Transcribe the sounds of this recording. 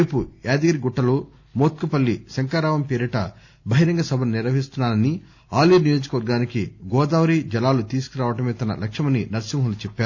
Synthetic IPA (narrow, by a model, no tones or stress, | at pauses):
eːpujaːd̪iɡɐɾiɡuʈːɐloː | moːt̪̚kupɐlːisɐŋkaːɾaːʋɐmpeːɾiʈɐ̰ | bʱɐɦiɾɐŋɡɐsɐbʱɐnniɾʋɐɦist̪unːaːnɐni | aːlinijo̞ːd͡ʒɐkɐʋɐɾɡaːnikiɡɔːd̪aːʋɐɾiːd͡ʒɐlaːlut̪iːsu̥kiɾaːʋɐʈɐmeːt̪ɐnɐ̰lʔɐkʂɐmɐninɐɾsimɦɐmlut͡ʃɛpːaːɾu